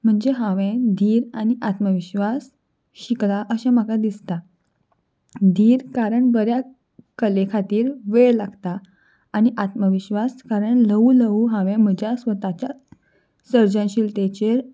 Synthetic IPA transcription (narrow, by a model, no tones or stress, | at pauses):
m̤əɳd͡zeɦãʋẽd̪ʱiːɾañiʔat̪məʋiɕʋas | ɕiklaʔəɕam̤əkad̪ist̪a | d̪ʱiːɾkaɾəɳbəɾja | kəlekʰat̪iːɾʋeɭlaɡt̪aː | ñiʔat̪məʋiɕʋaskaɾəɳləuləuɦãʋẽm̤əd͡ʑjasʋət̪at͡ɕja | səɾd͡ʑə̃nɕiːlt̪et͡ɕeɾ